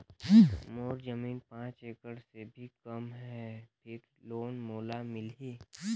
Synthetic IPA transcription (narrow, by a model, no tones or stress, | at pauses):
moːɾd͡ʒəmiːnpãːt͡ʃeːkəɽsebʱikəmɦɛpʰɪɾ | loːnmoːlamɪlɦeː